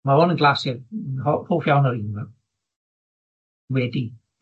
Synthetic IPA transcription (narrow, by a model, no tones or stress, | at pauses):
maɔnənɡlˠasɪhohoːfjawnɔɾinma | wɛdi